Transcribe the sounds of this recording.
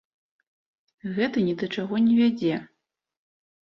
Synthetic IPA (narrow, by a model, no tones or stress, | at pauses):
ɣɛt̪ɐnʲid̪ɐt͡ʂaɣɔnʲɛvʲad͡zʲɛ